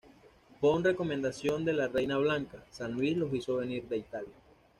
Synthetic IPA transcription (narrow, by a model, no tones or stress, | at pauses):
bonre̞ko̞mend̪asjo̞nd̪e̞lare̞jnaβlaŋkasanlwislo̞siso̞βe̞niɾd̪e̞it̪alja